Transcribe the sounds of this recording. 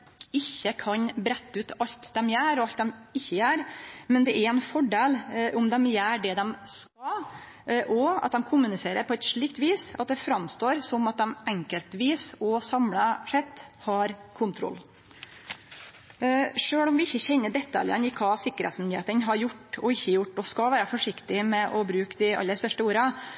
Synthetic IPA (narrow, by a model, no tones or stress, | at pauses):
ɪçːəkʰɑɲbɾɛt̪ːəʉːt̪ʰɑlt̪d̪ɛmjæːɾɔɑlt̪̚d̪ɛmɪçːəjæːɾmɛnd̪ɛʔæɾɛnfɔɖeːlʔʊmd̪ɛmjæːɖɛd̪ɛmskɑ | ʔɔɑ̰t̪̚d̪ɛmkʰʊmːʉnɪseːɾəɾpʰɔɛt̪ʂɭiːk̚t̪ʋiːsɑt̪̚d̪ɛfɾɑmst̪oːɾsɔmɑt̪̚d̪ɛmʔɛŋkəlt̪ʋiːsɔsɑmlɑʂɛt̪ːhɑɾkʰʊnt̪ʰɾɔ̰lː | ʂøːɭɔmʋɪɪçːəçɛnːəɖɛt̪ːɑ̰ljə̰nɪkʰɑːsɪkːəɾhḛt̪smɪnd̪ɪheːt̪ənɦɑɾjʊʈːɔɪçːəjʊʈːɔskɑʋæːɾəfɔʂɪkt̪ɪmɛʔɔbɾʉːkd̪ɪɑ̰lːəɾst̪œʂʈəuːɾɑ